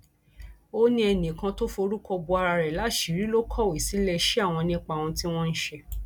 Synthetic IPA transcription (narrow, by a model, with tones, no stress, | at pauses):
o˦nĩ˦ɛ˧nĩ˨kã˧to˦fo˧ɾu˦kɔ˧bu˧a˧ɾa˧ɾɛ˨la˨˦ʃi˨ɾi˦lo˦kʰɔ˦˨wi˨si˨˦lɛ˧ʃɛ˦a˦˨w̃ɔ̃˧nĩ˦k͡pa˧˨w̃ɔ̃˧ti˦w̃ɔ̃˦n̩˦ʃɛ˧